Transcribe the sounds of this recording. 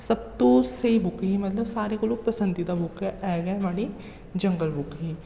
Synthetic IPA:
sɐb̚t̪oseibʱʊkimɐt̪ləbsaːɾekoloːɡ̚pɐsə̃nd̪it̪abʱʊkeʔɛːɡɐʋaɽi | d͡ʒɐ̃ŋɡəlbʱʊkɦiː

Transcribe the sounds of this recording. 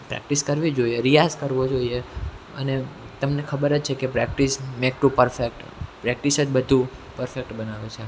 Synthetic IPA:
pɾɛ̰k̚ʈiskəɾʋid͡ʒoieɾijazkəɾʋod͡ʒoie | ə̰ne | t̪əmnekʰəbəɾət͡ʃt͡ʃʰekepɾɛk̚ʈismek̚ʈupəɾfek̚ʈpɾɛk̚ʈisəd͡ʒbəd̪ʱũpəɾfek̚ʈbənaʋet͡ʃʰe

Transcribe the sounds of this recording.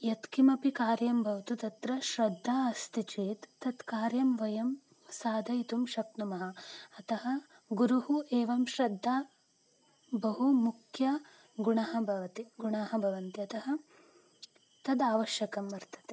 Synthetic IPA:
jɐt̪kimɐpikaːɾjɐmbʱɐʋɐt̪ut̪ɐt̪ɾɐʃɾɐd̪ʱːaːɐst̪ʰit͡ʃeːt̪ːɐt̪kaːɾjɐmʋɐjɐm | saːd̪ʱɐjit̪umʃɐk̚numɐɦɐ̆ɐt̪ɐɦɐ̆ | ɡuɾuɦuʔeːʋɐmʃɾɐd̪ʱːaː | bɐɦumukʰjɐ | ɡuɳɐɦɐbʱɐʋɐt̪iɡuɳaːɦɐbʱɐʋɐnt̪iɐt̪ɐɦɐ̆ | t̪ɐd̪aːʋɐʃjɐkɐmʋɐɾt̪ʰɐ̥t̪e̥

